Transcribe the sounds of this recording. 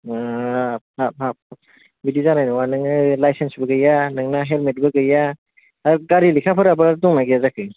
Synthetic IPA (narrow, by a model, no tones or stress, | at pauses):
hap̚ap̚ap̚ | bidizanajnɔwanɯŋnɯlajsensbɐɡɯjanɯŋnaɦelmet̚bɯɡɯja | aɡaɾilikʰapʰɯɾabɯɾaɾtɔŋnaɡijazakʰɯj